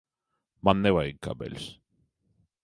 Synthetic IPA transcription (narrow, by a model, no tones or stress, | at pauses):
mand̪ewaiŋka̰bḛls